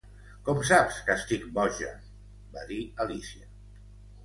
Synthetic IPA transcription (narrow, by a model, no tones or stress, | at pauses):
kɔms̬apskəst̪ik̚bɔʒə̰ | baðiəlisiə